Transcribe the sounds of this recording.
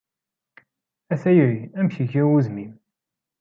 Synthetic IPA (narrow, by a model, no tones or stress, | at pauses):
æθæjɾiæmçiʝiwuzmim